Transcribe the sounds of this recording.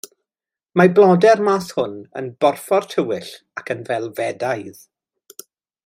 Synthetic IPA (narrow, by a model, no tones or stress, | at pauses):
mablˠɔdɛrmashʊnə̰nbɔrfɔrtʰəwɪɬ | akʰənvɛlˠvɛdajð̥